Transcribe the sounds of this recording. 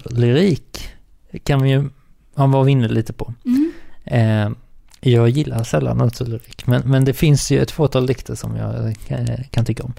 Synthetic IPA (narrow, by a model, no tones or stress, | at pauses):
lʏɾiːkʰː | anvɪjɵ | havɑvɪnːəd̪liːt̪əpʰɔ | jɑːɡjɪlːaɾʂɛlːa̰nːat̪ʰʉːlɪɾiːkmɛnmɛnd̪ɛfɪnsjɵɛ̰t̪ːfoːt̪ʰɑːld̪ɪkt̪ʰəʂɔ̰mjɑ̰ɡ | kʰant̪ʰʏkːaɔm